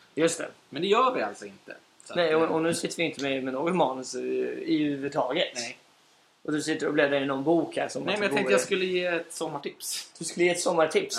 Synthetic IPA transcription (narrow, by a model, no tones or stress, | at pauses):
jɵst̪ʰɛ̰mɛnd̪ɛjœːɾvɪa̰lt̪sɔɪnt̪ə̰ | nɛjɔɔnʉ̟ːsɪt̪ːəɾvɪɪnt̪ʰəmɛmɛnoːɡɔt̪mɑːnəsɪhʉ̟ːvəd̪t̪ʰɑːɡət̪ | ɔd̪ɵsɪt̪ːəɾɔbleːd̪aɾɪnːɔnbuːkhæ̰ːɾʂɔmɛmɛnaɑtɛk̪ːəjaskɵlːəjeːɛt̪sɔmːaʈɪpsd̪̥ɵskɵlːəjeːɛt̪sɔmːaʈʰɪps